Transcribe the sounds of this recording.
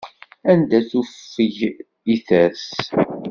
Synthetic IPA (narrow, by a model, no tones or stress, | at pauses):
ænd̪æθufːəʝ | iθæs